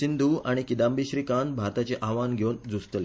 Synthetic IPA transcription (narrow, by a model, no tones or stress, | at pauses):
ind̪ʱuːaɽ̃ikid̪ambiɕɾiːkanbʱaɾt̪at͡ɕeʔaʋanɡʱewnd͡zust̪əle